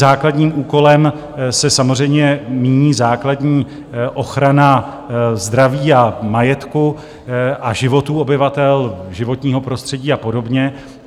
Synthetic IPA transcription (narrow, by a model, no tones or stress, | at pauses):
aːkladɲiːmʔuːko̞lɛm | sɛsamor̝ɛjmɲɛmiːɲiːzaːkladɲiː | ʔo̞xɾana | zd̪ɾaviːamajɛt̪ku | ʔaʒɪvo̞t̪uːo̞bɪvat̪ɛlʒɪvo̞t̪ɲiːɦo̞pɾo̞st̪r̝̥ɛɟiːapo̞do̞bɲɛ